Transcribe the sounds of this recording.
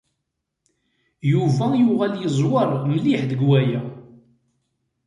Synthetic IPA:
juvæjuʁæljəzˤwɑɾˤməliħðəɡwæjæ

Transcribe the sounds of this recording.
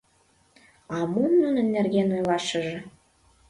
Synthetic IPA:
ɑmumnunə̆nːerɣenojlɑʃə̆ʒĕ

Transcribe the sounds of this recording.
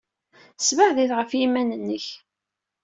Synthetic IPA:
svaʕðiθʁəfjimænənːəç

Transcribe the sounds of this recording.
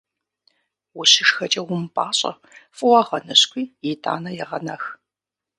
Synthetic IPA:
wʊɕɪʂxɐt͡ʃʼɐwʊmpʼaːɕʼɐ̰ | fʼʊwɐʁɐnɐɕkʷiːjɪtʰʼa̰ːnɐjɛʁɐnɐx

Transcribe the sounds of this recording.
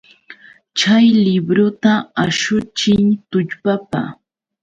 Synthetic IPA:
t͡ʃajlɪbɾʊt̪aaʃʊt͡ʃɪŋt̪ʊʎpapa̰

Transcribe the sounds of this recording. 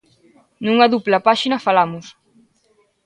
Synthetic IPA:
nuŋaðuplapaʃinafalamus

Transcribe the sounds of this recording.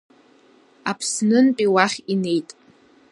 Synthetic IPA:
apʰsnɨnpʼiwaχʲine̞jtʼ

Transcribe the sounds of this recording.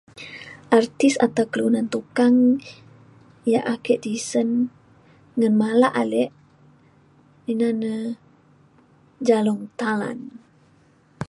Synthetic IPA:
ʔart̪isa̰t̪awkəlunant̪ukaŋ | jaʔakɛʔdisən | ŋənmalaʔalɛʔ | inanə | d͡ʒalɔŋt̪ala̰n

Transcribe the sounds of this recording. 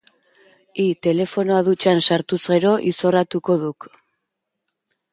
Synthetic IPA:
it̪e̞le̞fo̞no̞aðut͡ʃansaɾt̪uzɣe̞ɾo̞ʔiso̞rat̪uko̞ðuk

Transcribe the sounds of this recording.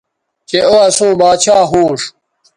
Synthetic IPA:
t͡ɕeoɐsũːbaːt͡ɕʰaːɦuːʂ

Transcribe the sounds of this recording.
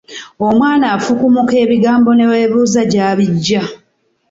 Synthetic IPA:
o̞mwaːnaːfukumuke̞ːβiɡaːmbo̞ne̞weːβuːzaɟaːβiɟːa

